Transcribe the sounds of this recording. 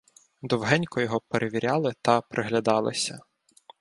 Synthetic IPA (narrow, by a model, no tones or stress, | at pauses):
d̪ɔwɦɛnʲkɔjɔɦɔpeɾʔeʋʲiɾʲɑlˠɪt̪ɐpɾʔɪɦlʲɐd̪ɑlˠɪ̰sʲɐ